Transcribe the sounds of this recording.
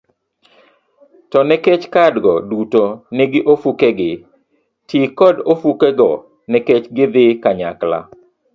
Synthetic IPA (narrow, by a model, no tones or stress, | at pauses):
tɔnɛket͡ʃkadɡɔdutonɪɡɪʔofukɛɡɪ | tʰikɔdofukɛɡɔ | nɛket͡ʃɡɪd̪ɪkaɲakla̰